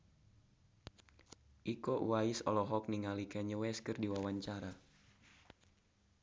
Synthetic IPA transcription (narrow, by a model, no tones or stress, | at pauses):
ʔikɔʔwaisɔ̰lɔɦɔk̚niŋalikɛɲəwɛskɨrdiwawaɲt͡ʃaɾa